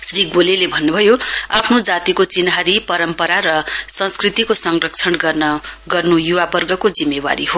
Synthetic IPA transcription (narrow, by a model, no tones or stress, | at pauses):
sriɡolelebʱʌnːubʱʌjoapʰnod͡zat̪ikot͡sinɦaɾipʌɾʌmpʌɾaɾʌsʌ̃skrit̪ikosʌŋrʌkt͡sʰʌnɡʌrnʌɡʌrnujuwabʌrɡʌkod͡zimːewa̰ɾiɦo